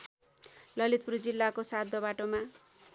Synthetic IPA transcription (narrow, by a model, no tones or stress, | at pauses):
lʌlit̪̚prud͡zilːakosad̪ʱːʌbaʈoma